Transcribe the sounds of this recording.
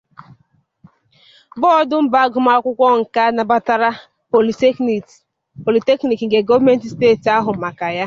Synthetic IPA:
bɔ˦ɔ˦dʊ˦m̩˦ba˨˦ɡʊ˨ma˦kʷʊ˦kʷɔ˦ŋ̩˨ka˦na˨ba˦ta˦ɾa˦ | po˨li˨˦˨ | po˨li˨te˦kni˨kŋ̩˨ɡe˨ɡo˦vme˦n˦ti˨steː˦˨ti˨a˦ɦʊ˨ma˨ka˨ja˦

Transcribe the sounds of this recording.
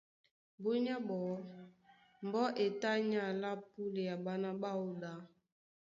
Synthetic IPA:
bo˦ɲa˦bɔ˨˦ | m˨bɔ˦ʔe˨ta˦ɲa˦˨la˦pu˦le˨ja˨ba˦na˦ba˦o˨da˨

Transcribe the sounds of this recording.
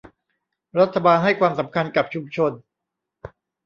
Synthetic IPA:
ɾa˦˥t̪ʰːa˧baː˧nɦa˥˩jkʰwaː˧msa˩˦mkʰa˧nka˨˩p̚t͡ɕʰu˧mt͡ɕʰo˧n

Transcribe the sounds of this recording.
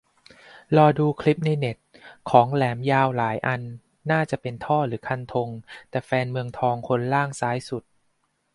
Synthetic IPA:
lɔː˧duː˧kʰli˦˥p̚na˧jne˨˩t̪̚kʰɔː˩˦ŋlɛː˩˦mjaː˧wlaː˩˦jʔa˧nː | aː˥˩t͡ɕa˨˩ʔpe˧nt̪ʰɔː˥˩ɾɯː˩˦kʰa˧˩nt̪ʰo˧ŋt̪ɛː˨˩fɛː˧nmɯ˧əŋt̪ʰɔː˧ŋkʰo˧nlaː˥˩ŋsaː˦˥jsu˨˩t̪̚

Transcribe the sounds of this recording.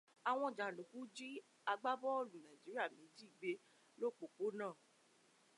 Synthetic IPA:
a˨w̃ɔ̃˧˨d͡ʒa˨lo˨kũ˨˦d͡ʒi˦ | a˧ɡ͡ba˦bɔ˦o˦˨lũ˨nã˨d͡ʒi˨˦ɾi˦a˦˨mĩ˨˦d͡ʒi˦i˨ɡ͡be˧˦ | lo˦˨k͡po˨k͡po˨˦nãː˦˨

